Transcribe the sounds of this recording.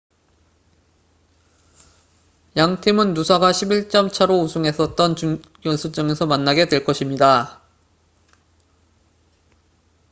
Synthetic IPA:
jaŋtʰimɯnːusʰaɡaɕʰibiɭt͡ɕ͈ʌmt͡ɕʰaɾousʰuŋɦe̞s͈ʌt̚t͈ʌnt͡ɕuɡjʌnsʰut͡ɕ͈ʌŋe̞sʰʌmanːaɡe̞dwe̞ɭk͈ʌɕʰimɲida

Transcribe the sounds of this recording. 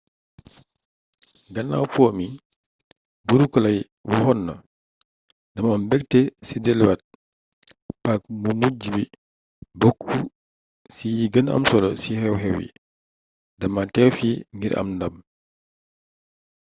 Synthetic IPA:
ɡɐnːa̰wpɔːmi | buɾukɔlɐj | wuhɔnːɐ̰ | dɐmambɛk̚tɛsidɛlwat̚ | pak̚mumuɟibi | bɔkʰːu | sijiɡənɐ̰msɔlɔsihɛwhɛwḭ | ddɐmatɛwfiŋɡiɾʔɐ̰mndɐm

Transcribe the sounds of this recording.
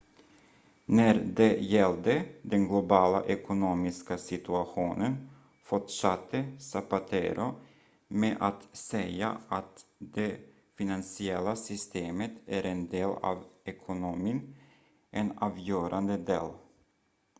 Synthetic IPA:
næɾd̪ɛjɛld̪əd̪ɛnɡlʊbɑːla̰ʔɛkʊnuːmɪskasɪt̪ɵaɧuːnən | fɔʈʂat̪ʰːəsapat̪ʰḛɾʔʊ | meːʔat̪sɛja̰ʔat̪d̪e | fɪnansɪɛlːasʏst̪ʰeːmət̪æɾɛnd̪eːlɑ̰ːvɛkʰʊnʊmiːn | ʔɛnɑːvjøːɾʔand̪əd̪ḛːl

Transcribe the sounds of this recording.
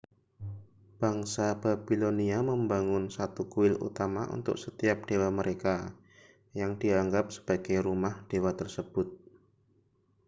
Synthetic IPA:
b̥aŋsab̥abiloniaməmbaŋʊnsat̪ukuwɪlṵt̪amaʔṵnt̪ʊ̰k̚sət̪iap̚ɖ̥ewaməɾeka | jaŋdiaŋɡap̚sə̥b̥aɡ̥ajɾumahd̥ewat̪ərsəb̥ʊt̪̚

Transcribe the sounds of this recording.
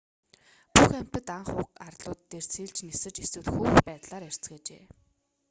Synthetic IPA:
puxæm̥t̪ɘ̆t̪aɴχʊːqarɮʊːt̪ːer̥siːɮt͡ɕnesɘ̆t͡ɕiswɘ̆ɮxuːxpæːt̪ɮaːɾer̥t͡sɡeːt͡ɕḛː

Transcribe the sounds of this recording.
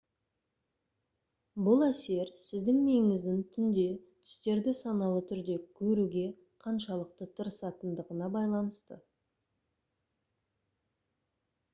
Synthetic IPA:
bʊlˠæse̞ɾsɪzd̪ɪŋmeŋɪŋɪzd̪ɪŋt̪ʰʏnd̪e̞t̪ʰʏ̥st̪e̞ɾd̪ɪsɑnɑlˠət̪ʰʏɾd̪e̞kʲʰɵɾuɡʲe̞ | qʰɑnʃɑlˠəq̚t̪ət̪ʰəɾəsɑt̪ənd̪əʁənɑbɑjlˠɑnəst̪ə̰

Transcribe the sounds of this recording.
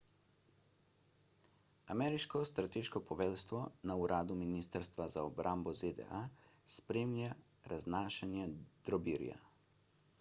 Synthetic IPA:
amɛːɾiʃkɔst̪ɾat̪eːʃkɔpɔʋɛːlst̪ʋɔnauɾʔaːd̪uminiːst̪əɾst̪ʋazaɔbɾʔambɔzed̪ɛ̰ʔaspɾeːmnja | ɾaznaːʃɛnjɛd̪̥ɾɔbiːɾja̰

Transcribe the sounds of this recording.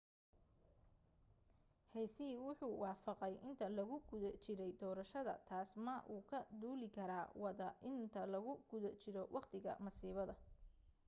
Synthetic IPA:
hɛjsiːwʊħuːwɑːfɑqɛjʔɪnt̪ʰɐlɐɣʊɡ̥ʊðɐt͡ʃɪɾɛjd̪ɔːɾɐʃɐðɐ̰t̪ʰaːsmɐʔuːkʰɐd̪uːlɪkʰɐɾaːwɑðɐʔɪnt̪ʰɐlɐɣʊɡ̥ʊðɐt͡ʃɪɾɔwʔɑqt̪ʰɪɣɐ̰mɐsiːβɐðɐ

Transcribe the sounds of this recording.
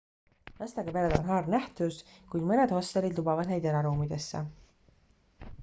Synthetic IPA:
nɑst̪ɑɡɑpeɾed̪o̞̰nɦɑːrnæht̪uskujd̪̥mɤned̪̥ho̞st̪elːid̪lubɑvɑd̪ne̞jd̪e̞ɾɑɾuːmid̪̥e̞sːe

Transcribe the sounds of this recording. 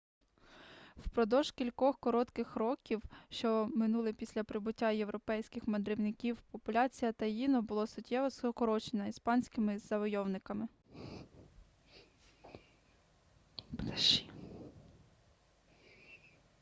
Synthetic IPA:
wpɾɔd̪ɔʒkʲilʲkɔxkɔɾɔt̪kɪxɾɔkʲiwʃt͡ʃɔmɪnulˠɪpʲisʲlʲɐpɾɪbʊtʲːajewɾɔpɛjsʲkɪxmɐd̪ɾɪwnɪkʲiwpɔpʊlʲɑt͡sʲijɐt̪ɐjinɔbʊlˠɔsʊtʲːɛʋɔsɔkɔɾɔt͡ʃenɐispɑnʲsʲkɪmɪzɐʋɔjɔwnɪkɐmɪ | ʃi̥

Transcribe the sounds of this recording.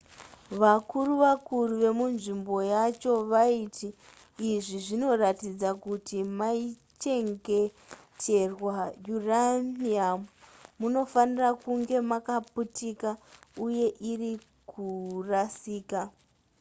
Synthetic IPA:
ʋakuruʋakuruʋe̞munʐimbo̞jat͡ʃo̞ʋaiti | iʐiʐino̞ratid͡zakutimai | t͡ʃe̞ŋɡe̞ | tʰe̞rwajuraniamumuno̞fanirakuŋɡe̞makaputikauje̞ʔiri | kʰurasiːka

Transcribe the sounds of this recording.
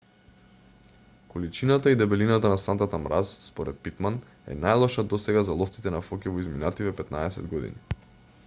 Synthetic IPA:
kolit͡ʃinat̪aid̪ɛbɛlinat̪anasant̪at̪amɾʔasspɔɾɛt̪̚pit̪man | ɛ̰najlˠɔʃad̪ɔsɛɡazalˠɔft̪sit̪ɛnafɔkʲɛvɔizminat̪ivɛpɛt̪naɛsɛ̰d̪ɡɔd̪ḭni

